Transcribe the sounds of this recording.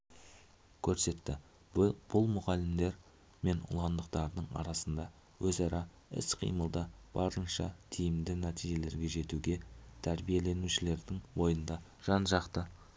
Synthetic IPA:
kʲʰɵɾse̞t̪ːɪ | b̥ʊlˠmʊʁɑlɪmd̪e̞ɾ | me̞nʊ̰lˠɑnd̪əqt̪ɑɾd̪əɴɑ̰ɾɑsənd̪ɑ | wɵzɑɾɑ | ɪ̰sqʰḭjməlˠd̪əb̥ɑɾənʃɑt̪ʰijɪmd̪ɪnæt̪ijʒe̞le̞ɾɡʲe̞ʒe̞t̪uɡʲe̞t̪ʰæɾbije̞le̞nuʃɪle̞ɾd̪ɪŋwo̞jənd̪ɑ | ʒ̥ɑnʒɑqt̪ə

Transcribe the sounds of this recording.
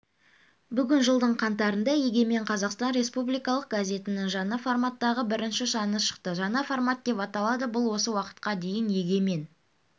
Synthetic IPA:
bʏɡʲɪnʒəlˠd̪əɴqʰɑnt̪ɑɾənd̪ɑje̞ɡʲe̞me̞ɴqʰɑzɑqst̪ɑnɾʲe̞spublˠijkɑlˠəq̚ɡazʲe̞t̪ɪnɪŋʒɑnɑformat̪ːɑʁəbɪɾɪnʃɪʃɑnəʃə̥qt̪əʒɑnɑformat̪̚d̪e̞pɑt̪ɑlˠɑd̪əbʊlˠwo̞səwɑqə̥t̪̚qɑd̪e̞jɪnje̞ɡʲe̞me̞n

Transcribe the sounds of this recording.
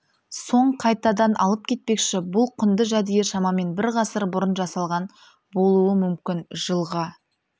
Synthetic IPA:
so̞ɴqʰɑjt̪ɑd̪ɑnʔɑlˠəp̚kʲʰe̞t̪̚pe̞kʃɪbʊlˠqʰʏnd̪əʒæd̪ijeʃɑmɑme̞nbɪɾʁɑsəɾbʊɾənʒɑsɑlˠʁɑn | bo̞lˠuəmʏmkʲɪnʒəlˠʁɑ

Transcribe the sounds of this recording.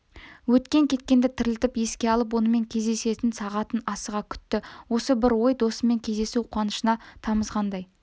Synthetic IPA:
wɵt̪kʲe̞ŋkʲʰe̞t̪̚kʲe̞nd̪ɪt̪ʰɪɾɪlt̪ɪpje̞skʲe̞ɑlˠəp̬wo̞nəme̞ŋkʲʰe̞zd̪e̞se̞t̪ɪnsɑʁɑt̪ənɑsəʁɑkʲʰʏ̥t̪ːɪwo̞səbɪɾwo̞jd̪o̞səme̞ŋkʲʰe̞zd̪e̞suqʰwɑnəʃənɑt̪ʰɑməzʁɑnd̪ɑj

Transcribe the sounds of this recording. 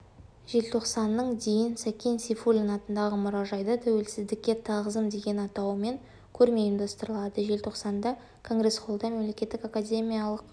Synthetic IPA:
ʒe̞lt̪ʰo̞qsɑnːəɴd̪e̞jɪnsækʲensifulʲinɑt̪ənd̪ɑʁəmʊɾɑʒɑjd̪ɑt̪ʰæwe̞lsɪzd̪ɪkʲːe̞t̪ʰɑʁəzəmd̪e̞ɡʲe̞nɑt̪ɑwme̞ŋ | kʲʰɵɾme̞ind̪ɑst̪əɾəlˠɑd̪əʒe̞lt̪ʰo̞qsɑnd̪ɑ | kʰo̞ŋɡɾe̞sqo̞lˠd̪ɑme̞mle̞kʲe̞t̪ːɪkakadʲe̞mʲijalˠəq

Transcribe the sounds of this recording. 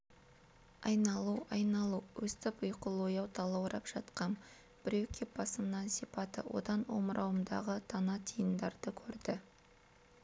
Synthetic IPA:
ɑjnɑlˠuɑjnɑlˠuwɵst̪ɪpʊjqəlˠojɑwt̪ʰɑlˠɑwɾɑpʒ̥ɑt̪qɑn | b̥ɪɾewkʲʰep̚bɑsəmnɑnsipɑt̪ə̰wʔo̞̰d̪ɑnwo̞̰mɾʔɑwəmd̪ɑ̰ʁət̪ʰɑnɑt̪ʰijənd̪ɑɾd̪əkʲʰɵɾd̪ɪ

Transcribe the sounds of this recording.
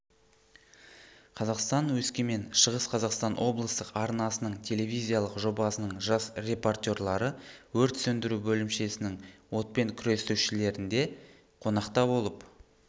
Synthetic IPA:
qʰɑzɑqst̪ɑnwɵskʲeme̞nʃəʁəsqʰɑzɑqst̪ɑnwo̞blˠəst̪əqɑɾnɑsənəɴt̪ʲʰe̞le̞vijzʲijɑlˠəqʒo̞bɑsənəɴʒɑsrʲe̞po̞rt̪ʲo̞ɾlˠɑɾəwɵɾt̪sɵnd̪ɪɾubɵlɪmʃe̞sɪnɪŋwo̞t̪̚pe̞ŋkʲʰʏɾe̞st̪uʃɪle̞ɾɪnd̪e̞ | qʰo̞nɑqt̪ɑbo̞lˠəp

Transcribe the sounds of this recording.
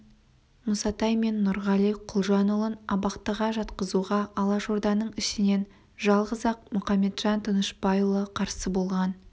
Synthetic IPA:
mʊsɑt̪ɑjme̞nːʊɾʁɑlˠijqʰʊlˠʒɑnolˠənɑbɑqt̪əʁɑʒɑt̪qəzuʁɑɑlˠɑʒoɾd̪ɑnəɴɪʃɪne̞n | ʒɑlˠʁəzɑq̚mʊχɑmːe̞t̪ʒ̥ɑnt̪ʰənəʃbɑjlˠəqʰɑɾsəbo̞lˠʁɑn

